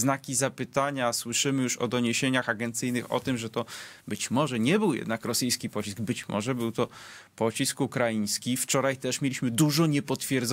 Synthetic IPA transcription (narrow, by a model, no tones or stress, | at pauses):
nakʲizapɘt̪aɲaswɘʂɘmɘjuʂɔ̰d̪ɔɲeɕeɲaxaɡɛnt̪sɘjnɘxɔ̰t̪ɘmʐɛt̪ɔbɘt͡ɕmɔʐɛɲɛbɘwjɛ̰d̪nakɾɔsɘjskʲipɔt͡ɕisɡbɘt͡ɕmɔ̰ʐɛbɘwt̪ɔpɔt͡ɕiskukɾajĩj̃skʲift͡ʂɔɾajt̪ɛʂmʲjelʲiɕmɘd̪uʐɔɲɛpɔt̪fʲjɛɾd̪z